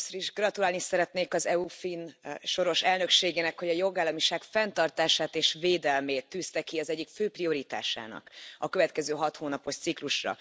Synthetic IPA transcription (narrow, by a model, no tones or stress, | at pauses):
sɾiʒɡrɒt̪ulaːlnisɛɾɛt̪neːkɒzɛufinʃo̞ɾo̞ʃɛlnø̞kʃeːɡeːnɛkho̞ɟɒjo̞ɡaːlːɒmiʃaːɡfɛnt̪ɒrt̪aːʃaːt̪eːʃveːd̪ɛlmeːt̪ːyːst̪ɛkiɒzɛɟːikføːprio̞ɾit̪a̰ːʃa̰ːnɒ̰kɒkøvɛt̪kɛzøːɦɒt̪hoːnɒpo̞ʃt̪sikluʃrɒ̰